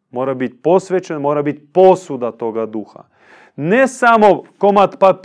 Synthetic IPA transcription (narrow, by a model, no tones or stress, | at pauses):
moːɾabit̪̚ʲpo̞sʋet͡ʃenmo̞ːɾabit̪̚ʲposud̪at̪o̞ɡad̪uxa̰ | nesamokomat̪pap